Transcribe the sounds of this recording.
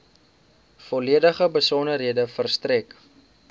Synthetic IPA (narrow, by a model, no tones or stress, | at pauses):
fɔliədəχəbəsɔnərɦiədəfərstrɛk